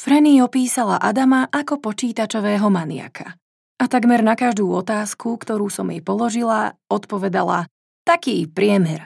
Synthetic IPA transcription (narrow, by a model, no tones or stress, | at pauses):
fɾɛniɔpiːsala̰ʔad̪amaʔakɔpɔt͡ʃiːt̪at͡ʃɔʋɛːɦɔmanɪa̰kʰa | at̪aɡmɛɾnakaʒd̪uːɔt̪aːskʰukt̪ɔɾuːsɔmjɛ̰jpɔlɔʒilaɔt̪pɔʋɛd̪ala̰ | t̪akiːpɾɪɛmɛɾ